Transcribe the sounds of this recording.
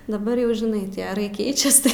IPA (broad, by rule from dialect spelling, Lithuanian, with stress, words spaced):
dɐˈbɐr jɛʊ ʒʲɪˈnɐɪ tʲiɛ ɐˈrɐɪ ˈkʲɛɪt͡ʃʲɛs tɐɪ